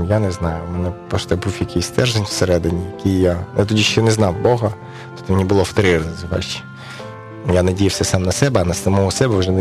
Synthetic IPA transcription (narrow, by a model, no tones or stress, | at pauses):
janɛznɑjʊmɛnɛpɔʃt̪ɛbufjɐkʲisʲt̪ɛrʒenʲw̥seɾɛd̪ɪnʲijɐkʲijjajat̪ɔdʲiʃt͡ʃnɛznɑwbɔɦɐ | t̪ɔ̥t̪ːɔmenʲibʊlˠɔft̪ɐɾɪɾɐzzɪʋa̰ʃt͡ʃi̥ | janɐdʲijɐwsʲɛsɑmnɐsɛbɛɐnɐsɐmɔɦɔsɛbɛwʒɛn